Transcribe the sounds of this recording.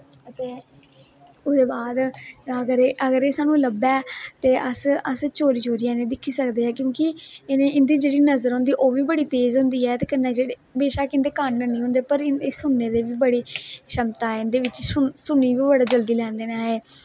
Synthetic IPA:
ət̪eː | ʊsd̪eːbaːd̪əɡəɾeːʔəɡəɾeːsaːnũːləbɛːt̪eːʔəsəst͡ʃoːɾiːt͡ʃoːɾijãːnẽːd̪ɪkʰːiːsəkd̪eːɦɛːkjõːkɪɪnẽːɪnd̪iːd͡ʒeːɽiːnəzəɾɦõːnd̪iːʔoːʋiːbəɽiːt̪eːzɦʊ̃nd̪iːɛːt̪eːkɪnːaːd͡ʒeːɽeːbeːʃaːkɪnd̪eːkəɳːənĩːɦʊ̃nd̪eːpəɾɪneːsʊnːeːd̪eːʋiːbəɽeːʃəmt̪aːɛɪnd̪eːʋɪt͡ʃsʊsʊniːʋiːbəɽaːd͡ʒəld̪iːlɛ̃ːnd̪eːnaːɦeː

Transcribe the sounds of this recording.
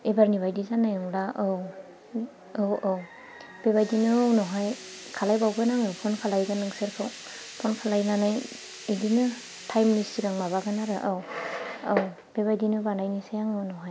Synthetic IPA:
ebaɾniβajdizanajɯŋɾaʔɯw | ɯwɔw | b̥eβajdinɯwnɔɦaj | kʰalajbawɡɯnaŋɯwpʰɔnkʰalajɡanɯŋseɾkʰɯw | pʰɔnkʰalajnanaj | ejdinɯ | tʰajmnistiɾaŋmaβaɡanaɾɯʔawaw | b̥ebajdinɯbanajnisajaŋɯwnɔɦaj

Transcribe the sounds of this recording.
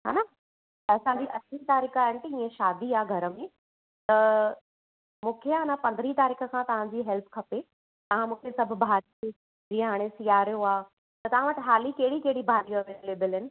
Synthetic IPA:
ɦa̰ːna | ɐsãɲd͡ʑiʔɐsʰit̪aːɾiːkʰaːɦɪnɪ̆t̪ɐĩːẽʃaːd̪iaːɡʱɐɾəmẽ | t̪ɐ | mũːkʰeaːnapɐ̃nd̪ɾit̪aːɾiːkʰə̆kʰãt̪ɐʋ̤ãɲd͡ʑiːɦɛlpkʰɐpe | t̪ɐʋ̤ãmũːkʰesɐb̆ʱbʱaːɾi | d͡ʑiẽɦaːɽ̃esijaːɾijoaː | t̪ɐt̪ɐʋ̤ãʋɐʈɦaːlikɐɦɪɽikeɦɪɽibʱaːɾijoɐʋeleːbɪlɦɪnɪ̆

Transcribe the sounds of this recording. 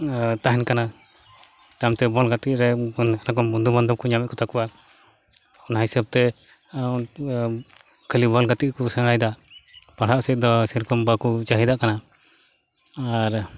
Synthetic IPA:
t̪aɦɛnkana | t̪amt̪ɛbɔlɡat̪iʔ̚ɾɛnnakɔbund̪ubɔnd̪ɔp̚kɔɲamɛt̪̚kɔt̪ʰakɔwa | unɦajsəb̚t̪ɛ | un | kʰəlibɔlɡat̪iʔkɔsəɽajd̪apaɽ̤aʔsɛt̪̚d̪ɔsiɾkɔmbakut͡ʃaɦid̪aʔkana | aɾ

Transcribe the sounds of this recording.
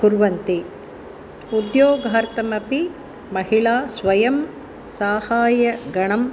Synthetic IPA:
kuɾʋɐnt̪i | ud̪joːɡɐɦɐɾt̪ɐmɐpi | mɐhiɭaːsʋɐjɐm | saːhaːjɐɡɐɳɐm

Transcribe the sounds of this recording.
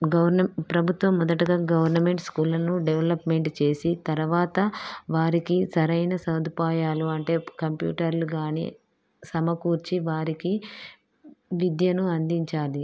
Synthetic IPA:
ɡɐʋɐɾnɐpɾɐbʱut̪ʋɐmːɔd̪ɐʈɐɡaːɡɐʋɐɾnɐme̞ɳʈskuːlɐnuɖeʋelɐpme̞ɳʈt͡ʃe̞ːsit̪ɐɾʋaːt̪ɐʋaːɾikisɐɾɐjnɐsɐwd̪ʱupaːjaːluɐɳʈe̞ːkɐmpjṵːʈɐɾluɡaːnḭ | sɐmɐkuːɾt͡ʃiʋaːɾiki | ʋid̪jɐnuɐnd̪iɲt͡ʃaːli

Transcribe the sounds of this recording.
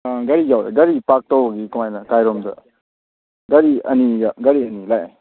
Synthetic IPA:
ɡɐɾijawɾa̰ɡɐɾipak̚tawbɐɡikumajnɐkajɾɔmdɐ̰ | ɡɐɾiɐniɡaɡɐɾiɐnilaja̰

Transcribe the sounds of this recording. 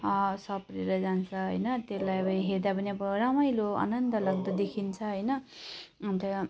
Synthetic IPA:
sʌpreɾʌd͡zant͡sʰʌɦʌjnʌt̪elajʌbʌiɦeɾd̪apʌniʌbʌramʌjloa̰nʌnd̪ʌlʌɡ̚d̪ʌd̪ekʰint͡sʰʌɦʌjnʌ | t̪ʌ

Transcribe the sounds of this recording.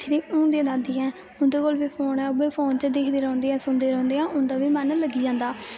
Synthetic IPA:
t͡ʃːɾiːʊ̃ːnd̪iãːd̪ãːd̪iːɦɛ̃ː | ʊ̃nd̪eːkoːlbiːpʰoːnɛ̃ːʊbeːpʰoːnt͡ʃəd̪ɪkʰd̪eːɾɔ̃ːnd̪eːɛ̃ːsʊnd̪eːɾɔ̃ːnd̪eːãːʔʊ̃nd̪aːbiːmɛnləɡiːd͡ʒãːnd̪aː

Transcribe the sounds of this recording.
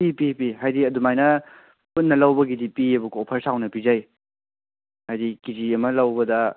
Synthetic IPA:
pipipiɦajdiɐdumajnɐ | punːɐlɐwbɐɡidipiɐbukopʰɐɾsawnɐpizaj | hajdikid͡ʒiɐmɐlɐwbɐdɐ

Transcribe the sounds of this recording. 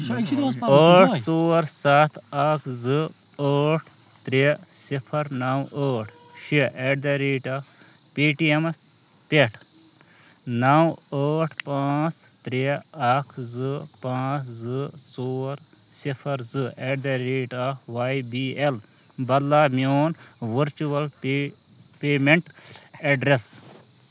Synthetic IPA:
əːʈt͡soːɾsat̪ʰɐkʰzɨ | əːʈʰ | t̪ɾe | sipʰɐɾnɐwəːʈʰ | ʃiʔeːʈ̚d̪eɾiːʈa | piːʈiem | peʈʰ | nɐwəːʈʰpaːt͡s | t̪ɾeakʰzɨpãːt͡szɨt͡soːɾ | sipʰɐɾzɨeːʈd̪ɐɾiːʈaʋajbiːel | bɐd̪laːmjoːn | ʋəɾt͡ʃuʋɐl | peːmeɳʈ | eɖɾes

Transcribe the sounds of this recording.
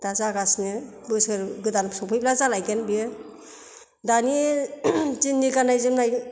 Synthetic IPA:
d̥azaɡasnɯ | bɯsɯɾɡɯdansʰɔpʰɯjplazalajɡenbiɯ | dani | d͡ʒinːiɡanajzɯmnaj

